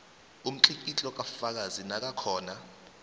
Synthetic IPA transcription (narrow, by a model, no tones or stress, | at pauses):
um̩ǃikʼit͡ɬʼɔk̬ʼafak̬azinak̬ʼakʰɔːna